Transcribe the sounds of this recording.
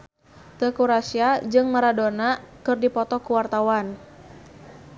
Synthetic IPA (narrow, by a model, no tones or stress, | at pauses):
t̪əkuɾasiad͡ʒɨŋmaɾadonakɨrdipɔt̪ɔkuwart̪awan